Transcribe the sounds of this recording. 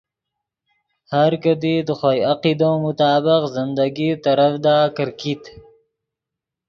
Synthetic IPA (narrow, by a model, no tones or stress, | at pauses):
haɾkəd̪id̪əxwajaqid̪omʊt̪ɑːbɪqzɪnd̪aɡit̪aɾafd̪ɑːkəɾkit̪